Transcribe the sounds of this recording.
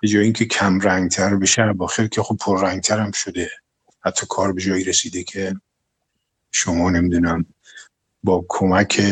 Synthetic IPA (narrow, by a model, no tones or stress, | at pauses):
b̥e̞d͡ʒɒːjeiːŋcʰekʰæmɾæŋɡt̪ʰæɾbeʃæbɒːxeɾkʲʰexob̚pʰoɾːæŋɡ̚t̪ʰæɾæmʃod̪e̞ | hæt̪ʰːɒːkʰɒːɾbe̞d͡ʒɒːjiːɾesiːd̪ekʰe̞ | ʃomɒːne̞mid̪uːnæm | bɒːkʰomækʲʰe